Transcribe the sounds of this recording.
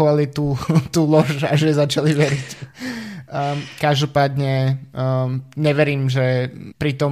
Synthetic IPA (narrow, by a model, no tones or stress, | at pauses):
ʋalit̪ut̪uːlɔʒaʒɛzat͡ʃaliʋɛɾic | kaʒd̪ɔpaːd̪ɲɛ | ɲɛʋɛɾiːmʒɛpɾit̪ɔ